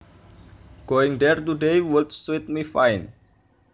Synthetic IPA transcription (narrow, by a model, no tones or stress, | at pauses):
ɡ̥oɪŋdɛrt̪udejwut̪swit̪̚mifajn